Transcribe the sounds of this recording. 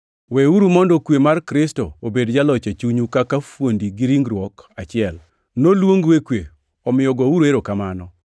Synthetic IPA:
weuɾumɔndɔkwemarkɾɪsto̰obedd͡ʒalɔt͡ʃet͡ʃuɲukakafwondiɡiɾiŋɡɾwɔkat͡ʃɪɛl | nolwoŋɡwekwe | ɔmɪɔɡɔuɾeɾokamanɔ

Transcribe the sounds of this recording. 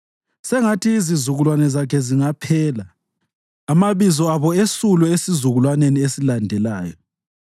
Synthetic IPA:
sɛŋatʰiːzizuɣulwanɛzakʰɛziŋapʰɛːla | amaβizɔaβɔesulɛesizuɣulwaneniesilandʱɛla̰ːjɔ̰

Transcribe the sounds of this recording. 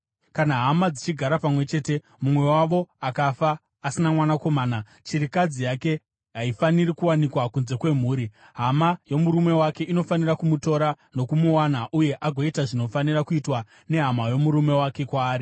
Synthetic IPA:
kanaɦamad͡zit͡ʃiɡʱaɾapamwe̞t͡ʃe̞ːte̞ | mumwe̞waʋo̞akafaː | sinamwanako̞maːna | t͡ʃiɾikad͡zijake̞ | ɦaifaniɾikuwanikwakunze̞kwe̞m̤uːɾi | ɦamajo̞muɾume̞wake̞ʔino̞fanirakumuto̞ɾa | no̞kumuwanaʔuje̞ʔaɡʱo̞itaʐino̞fanirakuitwa | ne̞ɦamajo̞muɾume̞wake̞kwaːɾi

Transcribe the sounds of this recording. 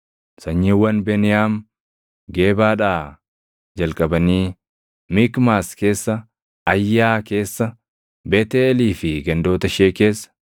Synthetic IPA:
sɐɲːiːwːɐnbeːnɪjaːm | ɡe̞ːbaːᶑaː | d͡ʒɐlkʼɐbɐniː | mikmaːske̞ːsːɐ | ɐjːaːke̞ːsːɐ | beːt̪eːɛliːfɪɡɐnd̪o̞ːt̪ɐʃeːke̞ːsːɐ̥

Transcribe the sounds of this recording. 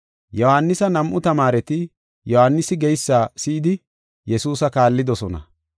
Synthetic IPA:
jɔhanːɪsɐnɐmʔʊt̪ɐmaːɾɛt̪ɪ | jɔhanːɪsɪɡɛjsːaːsɪːd̪ɪ | jɛsuːsɐkaːlːɪd̪ɔsɔnɐ̰

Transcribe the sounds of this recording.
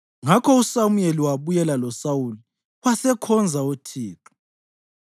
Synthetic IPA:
ŋakʰɔusamueliwaβujɛlalɔsawuli | wasɛkʰɔnd͡zʱaotʰiːǁu̥

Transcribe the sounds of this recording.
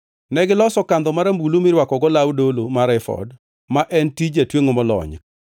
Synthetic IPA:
nɛɡɪlɔsɔkand̪ɔmaɾambulumɪɾwakɔɡɔlawdolomaɾɛfɔ̰d | maʔɛntid͡ʒatweŋomɔlɔ̰ɲk

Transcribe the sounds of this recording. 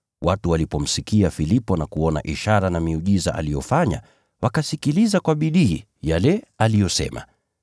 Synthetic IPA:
watuwalipɔm̩sikiafilipɔnakuɔna̰ʔiʃaɾanamiuʄiza̰ʔa̰lijɔfaɲa̰ | wakasikilizakwaɓiɗḭː | jalɛalijɔsɛ̰ma̰

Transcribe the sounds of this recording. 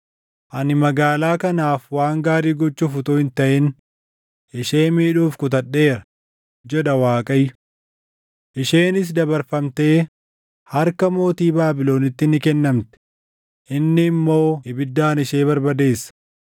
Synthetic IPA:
ʔɐnɪmɐɡaːlaːkɐnaːfwaːŋɡaːɾiːɡɔt͡ʃːuːfʊt̪uːhɪnt̪ɐʔɪn | ʔɪʃe̞ːmiːᶑuːfkʊt̪ɐɗːe̞ːɾɐ | d͡ʒɛᶑɐwaːkʼɐjːʊ | ʔɪʃe̞ːnɪs̬d̪ɐbɐɾfɐmt̪e̞ː | hɐɾkɐmo̞ːt̪iːbaːbɪlo̞ːnɪt̪ːɪnɪkɛnːɐmt̪ɛ̥ | ʔɪnːɪːmːo̞ːɪbɪd̪ːaːnɪʃe̞ːbɐɾbɐd̪e̞ːsːɐ̥

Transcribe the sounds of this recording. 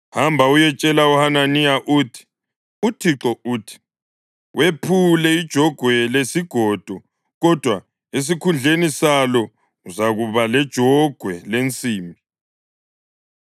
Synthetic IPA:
hambʱaujɛt͡ʃʼɛlauhananijaʔuːtʰi̥ | utʰiǁɔuːtʰi̥ | wʔepʰulɛid̥ʒ̥ʱɔɡ̥ʱwɛlesiɡ̥ʱɔd̥ʱɔ | ɣɔd̥ʱwa | es̬ikʰund͡ɮʱenisalɔ | uzaɣuβalɛd̥ʒ̥ʱɔɡ̥ʱwɛlent͡sʼiːmbʱi

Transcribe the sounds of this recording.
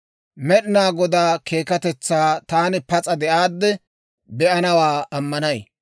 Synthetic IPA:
mɛɗɪnaːɡɔd̪aːkʰe̞ːkɐt̪ɛt͡sːaːt̪aːnɪpɐt͡sʼɐd̪ɛʔaːd̪ːɛ | bɛʔɐnɐwaːɐmːɐnɐj

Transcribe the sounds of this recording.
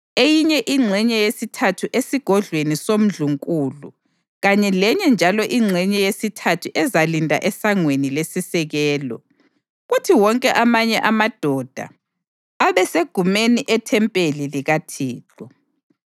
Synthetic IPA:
ejiɲɛʔiŋ͡ǀʱɛɲɛjesitʰatʰuʔesiɡ̥ʱɔɮwenisom̩ɮuŋkʼuːlu | ɣaɲɛlɛɲɛnd͡ʒʱalɔʔiŋ͡ǀʱɛɲɛjesitʰatʰuʔɛzalindʱʼa̰ʔɛsaŋwenilesisɛɣɛːlɔ̰ | ɣutʰiwɔŋkʼɛʔamaɲɛʔamad̥ʱɔd̥ʱa̰ | aβɛseɡ̥ʱumeniʔɛtʰɛmpʼeliliɣatʰiːt͡ɬɔ

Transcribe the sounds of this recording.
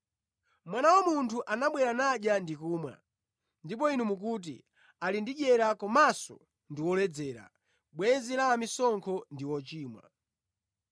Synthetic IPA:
mwanawɔmuntʰuʔanaɓwɛɾanaɗjandikuːmwa̰ | ndip̬ɔinumuk̬ut̬ḭ | alindiʄɛɾakɔmasɔ̰ | ndiwɔlɛd͡zɛːɾa̰ | ɓwɛnzilaːmisɔŋkʰɔndiwɔt͡ʃiːmwa̰

